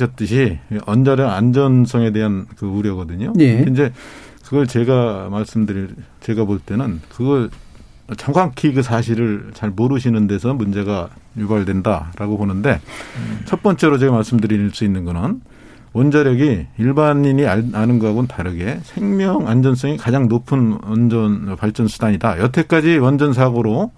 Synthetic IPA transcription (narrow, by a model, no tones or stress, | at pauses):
ʌt̚t͈ɯɕʰiʌnd͡ʑʌɾjʌɡand͡ʑʌnsʰʌŋe̞de̞ɦankɯuɾjʌɡʌdɯɲojeind͡ʑe̞ | kɯɡʌɭt͡ɕe̞ɡamaɭs͈ɯmdɯɾit͡ɕe̞ɡaboɭt͈e̞nɯnkɯɡʌɭ | t͡ɕʌŋkaŋkʰiɡɯsʰaɕʰiɾɯɭt͡ɕaɭmoɾɯɕʰinɯnde̞sʰʌmund͡ʑe̞ɡajubaɭdwe̞ndaɾaɡoponɯnde̞t͡ɕʰʌt̚p͈ʌnt͡ɕ͈e̞ɾot͡ɕe̞ɡamaɭs͈ɯmdɯɾiɭs͈uinːɯnɡʌnɯn | wʌnd͡ʑʌɾjʌɡiiɭbaɲiɲiaanɯnɡʌɦaɡontaɾɯɡe̞sʰe̞ŋmjʌŋand͡ʑʌns̬͈ʌŋikad͡ʑaŋnopʰɯnʌnd͡ʑʌnpaɭt͡ɕ͈ʌnsʰudaɲidajʌtʰe̞k͈ad͡ʑiwʌnd͡ʑʌns̬ʰaɡoɾo